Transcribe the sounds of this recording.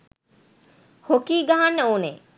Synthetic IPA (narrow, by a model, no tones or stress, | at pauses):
hokiːɡaɦanːəuːnḛː